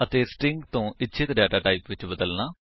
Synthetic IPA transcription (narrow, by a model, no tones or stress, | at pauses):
ət̪eːsʈɪŋɡt̪õːɪtːʃʰɪt̪ɖɛːʈaːʈaːipʋɪt͡ʃbəd̪əlnãː